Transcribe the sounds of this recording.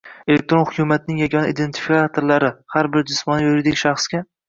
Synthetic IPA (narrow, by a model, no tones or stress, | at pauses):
elek̚ʲt̪ɾo̞nχʊkʲʰʊmat̪̚nɪŋjaɡʲɒnaʔid̪e̞nt̪ʰɪ̥fikat̪ʰoɾlaɾɪhaɾbɪɾd͡ʒɪsmɒnajoɾɪd̪ɪkʲʃaχskʲa